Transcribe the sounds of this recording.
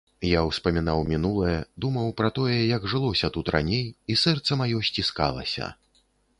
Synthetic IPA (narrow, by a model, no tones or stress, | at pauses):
jawspɐmʲin̪awmʲinulˠɐjɐd̪umɐwpɾɐt̪ɔjɛjɐɡʐɨlˠɔsʲɐt̪ut̪rʔa̰nʲejisɛrt̪sɐmajɔsʲt͡sʲiska̰lˠɐ̰sʲɐ̰